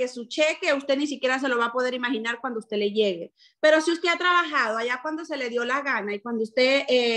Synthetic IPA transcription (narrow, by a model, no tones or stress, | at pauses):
esut͡ʃeke̞ust̪e̞nis̬ikje̞ɾas̬e̞lo̞βapo̞ðe̞ɾimaxinaɾkwand̪oust̪e̞le̞ʝe̞ɣe̞ | pe̞ɾo̞siust̪e̞at̪ɾaβaxaðoaʝakwand̪o̞se̞le̞ðjo̞laɣanaikwand̪oust̪e̞ʔe